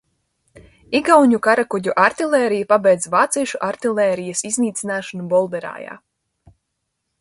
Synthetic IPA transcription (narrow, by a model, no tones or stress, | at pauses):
iɡawɲukaɾakuɟuʔaɾt̪ilˠɛːɾijapabɛjd̪zʲvaːt̪siːʃuʔaɾt̪ilˠɛːɾijasizniːt̪sinaːʃanubɔlˠd̪ɛɾa̰ːja̰ː